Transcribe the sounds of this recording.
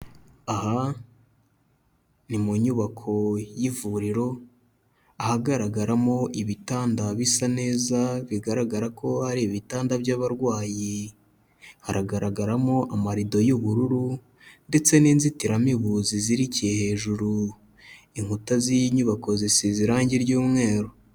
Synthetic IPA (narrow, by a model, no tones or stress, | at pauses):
aha | nimuɲuβakʰo̞jivuɾiɾo̞ | ahaɡaɾaɡaɾamo̞ʔiβitaːndaβisane̞ːzaβiɡaɾaɡaɾako̞haɾiβitaːndabjaβaɾɡwaːji | haɾaɡaɾaɡaɾamo̞ʔamaɾido̞juβuɾuɾu | nde̞t͡se̞niːnzitiɾamiβuziziɾicije̞he̞ːʒuɾu | iŋhutazijiɲuβako̞zisiziɾaːɲɟiɾɟuːmŋe̞ːɾo